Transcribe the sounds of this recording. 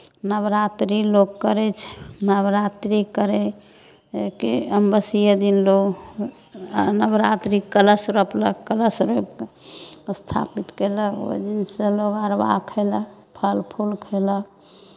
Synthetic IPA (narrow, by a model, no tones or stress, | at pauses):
nəbɾat̪ɾiloɡkəɾɛt͡ʃʰnəbɾat̪ɾikəɾe | kəmbəsijəd̪inloɡ | nəbɾat̪ɾikələsɾəpləkələsɾop | st̪ʰa̰pit̪keləkə̰d͡ʒinsẽloɡəɾba̰kʰəɪləpʰəlpʰulkʰələk